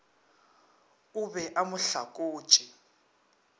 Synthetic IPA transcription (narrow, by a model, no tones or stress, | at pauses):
uβɛʔamʊɬakʼo̥ːt͡ʃʼi